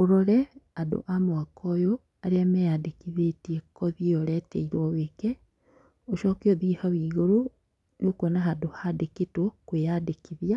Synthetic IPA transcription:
oɾɔɾɛado̰ʔamwakɔjo | aɾeamɛjadekiðetiɛkɔðiɔɾɛtɛiɾwɔwekɛ | oʃɔkeɔðihawiːɣoɾo | neokwɛnaɦadohadeketokwejadekiðja

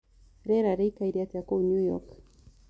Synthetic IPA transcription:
ɾeɾaɾɪkajɾiat̪akowɲʊjo̰k

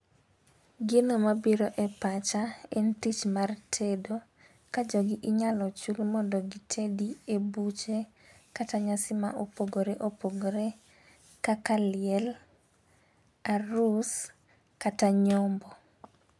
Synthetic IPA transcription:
ɡɪnomabiɾoʔɛpat͡ʃaɛntit͡ʃmartʰedo | kad͡ʒɔɡɪʔɪɲalɔt͡ʃulmɔndɔɡitʰediebut͡ʃe | kataɲasɪmaʔopoɡoɾeʔopoɡoɾe | kakalɪɛl | aɾus | kataɲɔmbɔ

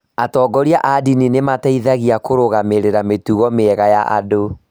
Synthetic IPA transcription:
atɔːɡɔɾiaʔadininemataiðaɣiakoɾoɣameɾeɾametuɣɔmeɛɣajaʔa̰do

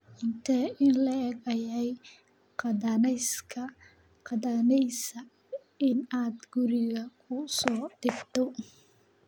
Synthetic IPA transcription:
ʔɪnt̪ʰɛɪnlɐɛɡɐjɛj | qɑðɐnɛjskʰɐ | qɑðɐnɛjsɐ | ɪnaːd̪ɡʊɾɪɣɐkʰʊsɔːd̪̥ɪbt̪ʰɔ

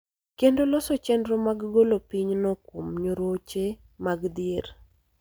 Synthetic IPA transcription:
kendolɔsɔt͡ʃɛndɾɔmaɡɡolopiɲnɔkwomɲoɾot͡ʃe | maɡd̪ɪeɾ

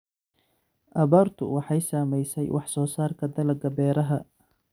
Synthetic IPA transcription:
ʔɐβaːrt̪ʰʊ̰wɑħɑjsaːmɛjsɛjwʔɑħsɔːsaːrkʰɐd̪ɐlɐɡɐbɛːɾɐɦɐ

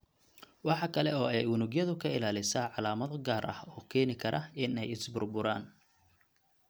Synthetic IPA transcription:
wɑħɑkʰɐlɛɔːɛjwʊnʊɡjɐðʊkʰɐɪlaːlɪsaːʕɑlaːmɐðɔɡaːɾʔɐ̰hɔːkʰɛːnɪkʰɐɾʔɐ̰ɪnɛjɪsbʊrbʊɾaːn

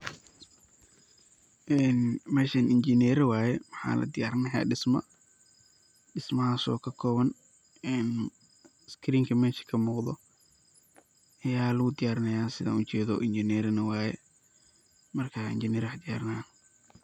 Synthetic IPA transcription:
ʔɛːnmɛːʃɐnʔɪnt͡ʃɪnɛɾɐwaːjɛwɑħa̰ːlɐ̰d̪ɪjaːɾɐnɐja̰ːɖɪsmɐ̰ | ɖɪsmɐhaːsɔ̰ːkʰɐkʰɔːβɐn | ɛːn | skʰɾiːŋkʰɐmɛːʃɐ̥kʰɐmuːqðɔ̰ | ʔɐjaːlɐɣʊd̪ɪjaːɾnɐjaːsɪða̰ːʔʊt͡ʃɛːðɔ̰ːʔɪnt͡ʃɪnɛːɾɐnɐwaːjɛ | mɐrkʰaɪ̰nt͡ʃɪnɛːɾwħd̪ɪjaːɾnaː

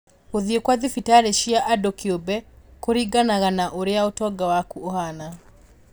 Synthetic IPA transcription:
oðiekwaðifitaɾeʃiaʔadokiobɛkoɾiɡanaɣanaʔoɾeaotɔɡawakuohana

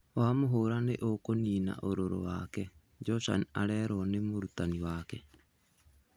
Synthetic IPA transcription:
wamoɦoːɾaneʔokoniːna̰ʔoɾoɾo̰waːkɛ | d͡ʒɔsa̰na̰ɾɛɾɔnemoɾutaniwaːkɛ

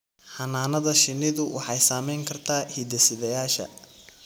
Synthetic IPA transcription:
ħɑnaːnɐðɐʃɪnːɪðʊwʔɑ̰ħɑjsaːmɛjŋkʰɐrt̪ʰaːhid̪ɛsɪðɐjaːʃɐ̰

